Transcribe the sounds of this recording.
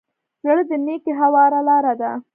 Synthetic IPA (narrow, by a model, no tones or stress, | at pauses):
jəɽd̪ənekeɦawɑɾalɑɾad̪a